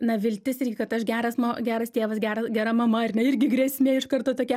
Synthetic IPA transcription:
nɐʋʲɪlʲt̪ʲɪsɪrʲɡʲɪkɐt̪ɐʃɡʲæːɾɐsmɐɡʲæːɾɐst̪ʲeːʋɐsɡʲæːɾɐsɡʲɛɾɐmɐmɐɐrʲnʲɛɪrʲɡʲɪɡɾʲɛːsʲmʲeːɪʃkɐrt̪oːt̪oːkʲɛ

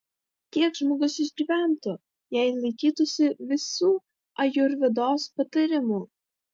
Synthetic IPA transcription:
t̪ʲiɛkʒmoːɡʊsɪʒʲɡʲiːʋʲæˑnt̪ʊ | jɛɪlˠɐɪkʲiːt̪ʊsʲɪʋʲɪsuː | ɐjʊɾʲʋʲɪd̪oːspɐt̪ɐɾʲɪmuː

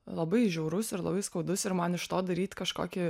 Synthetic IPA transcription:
lˠɐbɐɪʒʲɛʊɾʊsɪɾlˠɐ̰bɐɪskɒʊd̪ʊsɪɾmɐnɪʃt̪oːd̪ɐɾʲiːt̪ʲkɐʃko̰ːkʲɪ

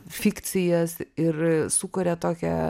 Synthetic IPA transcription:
fʲikt̪sʲɪjɛsɪɾsukʊɾʲɛt̪oːkʲɛ̰

